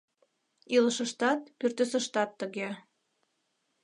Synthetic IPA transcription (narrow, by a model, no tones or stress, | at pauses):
iləʃəʃt̪ɑt̪pyrt̪øsəʃt̪ɑt̪ːəɣe